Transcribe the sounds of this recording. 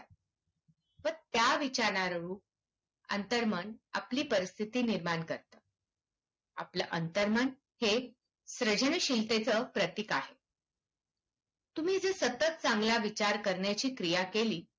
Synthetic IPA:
pəɳt̪jaʋit͡ɕaɾnaɾɾuːp̚ | ə̰nt̪əɾməna̰pliːpəɾist̪ʰit̪iːniɾmaɳkəɾt̪əː | a̰pləʔənt̪əɾmən | he | sɾəd͡ʑəɳɕilt̪et͡səpɾət̪ikaɦe | t̪um̤iːd͡zesət̪ət̪̚t͡sãŋɡlaʋit͡ɕaɾkəɾɳjat͡ɕiːkɾijakeliː

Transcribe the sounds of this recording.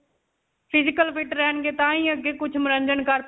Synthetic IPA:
pʰɪzɪkəlpʰɪʈɾɛːɳɡeːt̪ãːĩːəɡeːkʊt͡ʃʰməɾəɲd͡ʒənkəɾp

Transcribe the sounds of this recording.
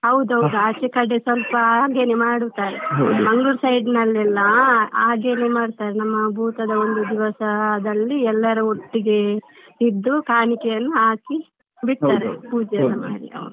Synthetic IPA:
ɦɐwd̪uɦɐwd̪uaːt͡ʃekɐɖːesʋɐlpɐaːɡeːnemaːɽut̪aːɾemɐŋɡuɾsɐjɖnɐlːɛlːɐaːɡe̞ːnemaːɽt̪aːɾenɐmːɐbʱuːt̪ɐd̪ɐo̞nd̪ud̪iʋɐsɐd̪ɐlːiɛlːɐɾuoʈːiɡe̞ | id̪ːukaːɳikɛjɐnːuɦaːki | biʈt̪aːɾepuːd͡ʒɐd̪ɐma̰ːɽḭɐ̰ʋɐnu

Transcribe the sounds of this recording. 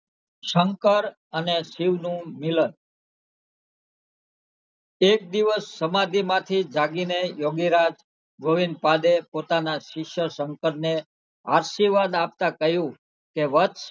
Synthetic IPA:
ʃəŋkəɾ | ənesiʋnũmilən | ek̚d̪iʋəsːəmad̪ʱimãt̪ʰid͡ʒaɡinejoɡiɾad͡ʒ | bʱəʋinpad̪epot̪anaʃɪkʃəsəŋkəɾne | a̰ɾʃiʋad̪ap̚t̪akəɦjũ | keʋət̪ʃ

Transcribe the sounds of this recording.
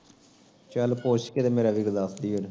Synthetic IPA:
t͡ʃəlpoːʃket̪emeːɾaʋɪɡd̪asd̪iːon

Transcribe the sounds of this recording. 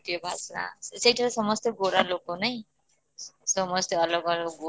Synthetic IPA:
ʈobʱasna̰sejʈʰʌɾasʌmʌst̪eɡoɾalokonʌj | sʌmʌst̪eʌlʌɡʌlʌɡo

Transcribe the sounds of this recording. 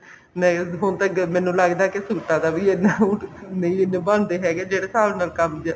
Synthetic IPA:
nəɦʊnt̪ãːɡmɛ̃ːnũːləɡd̪aːkɪsuːʈːãːd̪aːʋiːenaːnəĩːɪnːẽbãnd̪eːɦɛːɡeːd͡ʒeːɽeːsaːʋnalkəmd͡ʒa

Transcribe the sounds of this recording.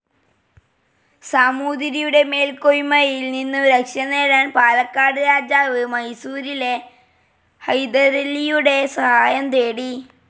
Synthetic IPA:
saːmuːd̪ɾijuɽe̞me̞ːlkojimɐjjilninːɨɾɐkʂɐneːɾaːnpaːlɐkːaːɽɨɾaːd͡ʑaːʋɨmɐjsuːɾile̞ | hɐjd̪ɐɾelːijuɽe̞sɐhaːjɐmt̪e̞ːɽi

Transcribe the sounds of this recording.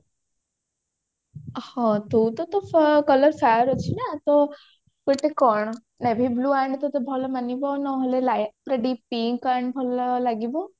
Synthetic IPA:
hɔ̃t̪ut̪ɔt̪ɔfkɔləɾsaɾɔt͡ʃʰinat̪ɔ | keʈekɔɳ̃ | nebʱibluːaɳɖt̪ɔt̪ɔbʱɔlɔmanibɔnɔɦɔlelajpɾeɖipiŋkaɳɖbʱɔlɔlaɡibɔ

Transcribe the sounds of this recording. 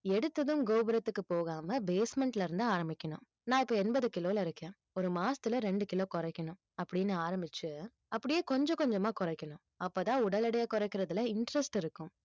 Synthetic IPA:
ɛɽɯt̪ːɐðɯ̃mɡoːbɐɾɐt̪ːɯkːɯpoːɣaːmɐbeːsmɛɳʈlɪɾɯnd̪ɯaːɾɐmbɪkʲːɐɳʊ̃ | nãːɪpːoːɛnbɐðɯkɪloːlɐɪɾɯkːẽː | ɔɾɯmaːst̪ɯlɐɾɛɳɖɯkɪloːkɔɾɛɪkːɐɳʊ̃ | ɐpːɐɽɪnːɯaːɾɐmbɪt͡ʃːɯ | ɐpːɐɽɪjeːkɔɲd͡ʒɔ̃kɔɲd͡ʒɐmaːkɔɾɐɪkːɐɳʊ̃ | ɐpːoːt̪ãːʊɽɐlɪɽɐjɐkɔɾɐɪkːɪɾɐðɯlɐɪɳʈɾɛsʈɪɾɯkːʊ̃

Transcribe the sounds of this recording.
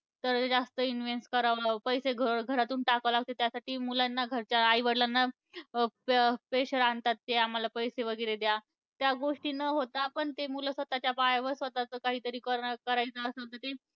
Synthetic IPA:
t̪əɾd͡zast̪əinʋenskəɾaʋpəjseɡʱəɡʱəɾat̪uːnʈakəʋlaɡ̚t̪ot̪jasaʈiːmulanːaɡʱəɾt͡ɕaːiʋəɽlanːa | ppeɕəɾant̪at̪ːeam̤alapəjseʋəɡəjɾed̪ja | t̪jaɡoʂʈiːnəɦot̪apəɳt̪emuləsʋət̪at͡ɕjapajaʋəɾsʋət̪at͡səkaɦiːt̪əɾiːkəɾkəɾajt͡səəsat̪ət̪e

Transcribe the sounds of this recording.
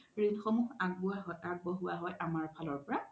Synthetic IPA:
ɹinxɔmuɦaɡ̚buaɦɔjaɡ̚bɔɦuaɦɔjʔamaɹpʰalɔɹpɔɹa

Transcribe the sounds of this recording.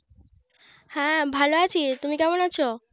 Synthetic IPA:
hɛ̃bʱaloat͡ɕʰit̪umikɛmonat͡ɕʰo

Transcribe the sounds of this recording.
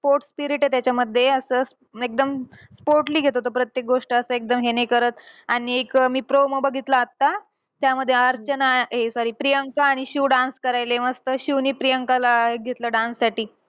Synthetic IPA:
spoɾʈspiɾiʈet̪jat͡ɕjaməd̪ʱːjeəsəːs | ek̚d̪əmspoɾʈliːɡʱet̪ot̪opɾət̪jek̚ɡoʂʈəəsəek̚d̪əmɦenekəɾət̪aɽ̃iekmiːpɾoməbəɡʱit̪ləːt̪ːa | t̪jaməd̪ʱːjeəɾt͡ɕənaɦesaɾiːpɾijəŋkaːɽ̃iɕiʋɖãnskəɾajleʋəst̪əɕiwniːpɾijəŋkalaɦeɡʱet̪ləɖãnsːaʈiː

